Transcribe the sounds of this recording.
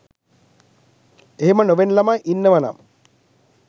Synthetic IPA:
eɦemənoʋenlamajʔinːəʋana̰m

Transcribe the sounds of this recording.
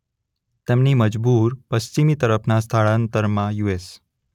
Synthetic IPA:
t̪emniməd͡ʒbuɾpəst͡ʃimit̪əɾəpʰnast̪ʰaɭant̪əɾmãjues

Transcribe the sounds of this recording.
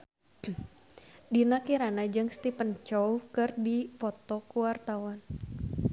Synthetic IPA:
dinakiɾanad͡ʒɨŋst̪ipənt͡ʃɔwkɨrdipɔt̪ɔkuwart̪awan

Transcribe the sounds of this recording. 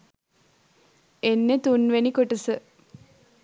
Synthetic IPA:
enːet̪unʋenikoʈəsə

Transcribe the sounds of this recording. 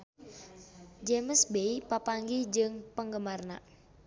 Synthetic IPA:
d͡ʒeməsbeipapaŋɡid͡ʒɨŋpəŋɡəmarna

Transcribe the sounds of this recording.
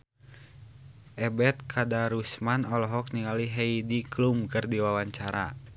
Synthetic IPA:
ʔɛbɛt̪̚kʰadaɾusmanɔlɔɦɔk̚niŋaliɦɛidiklumkɨrdiwawaɲt͡ʃaɾa̰

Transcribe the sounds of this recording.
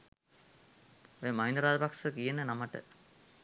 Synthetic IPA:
ojəmaɦinəɾaːd͡ʒɐpaksəkijenənamaʈə̰

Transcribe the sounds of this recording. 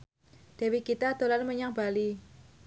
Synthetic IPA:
d̪̥e̤wikit̪ad̪̥o̤lalməɲaŋb̥ali

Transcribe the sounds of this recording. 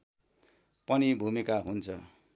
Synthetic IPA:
pʌnibʱumikaɦunt͡sʰʌ

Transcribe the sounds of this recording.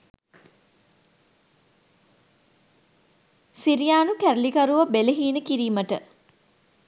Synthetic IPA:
siɾijaːnukæɾlikɐɾuʋəbeləɦiːnəkiɾiːməʈə̰

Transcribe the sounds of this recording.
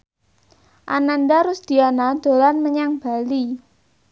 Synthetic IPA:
ʔananɖaɾʊsd̪̥i̤anad̪̥o̤lanməɲaŋb̥a̤li

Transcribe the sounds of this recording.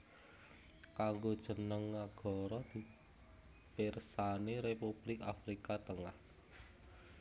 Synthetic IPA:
kaŋɡod̥ʒ̥ə̤nəŋːaɡ̥ɔ̤ɾɔd̪̥i̤ | persaneɾepub̥lɪkafɾikat̪əŋah

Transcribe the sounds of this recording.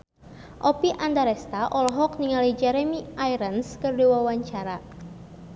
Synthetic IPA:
ʔɔpiʔandaɾɛst̪aʔɔlɔɦɔkniŋalid͡ʒɛɾɛmiajɾənskərdiwawaɲt͡ʃaɾa

